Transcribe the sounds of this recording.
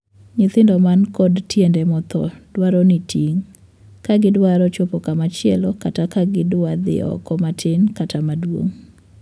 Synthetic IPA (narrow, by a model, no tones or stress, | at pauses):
ɲɪt̪ɪndɔmankɔdtjendɛmɔt̪ɔ̰dwaɾɔnitʰiŋ | kaɡɪdwaɾɔt͡ʃopɔkamat͡ʃɪɛlɔkatakaɡɪdwad̪ɪ̰ɔ̰kɔmatʰɪnkatʰamadwo̰ŋ